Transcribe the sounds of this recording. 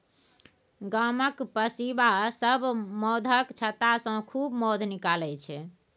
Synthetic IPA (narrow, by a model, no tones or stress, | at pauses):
ɡaməkpəsibasəbʱmɔd̪ʱəkt͡ʃʰət̪asə̃kʰubmɔd̪ʱnikalɛt͡ʃʰɛ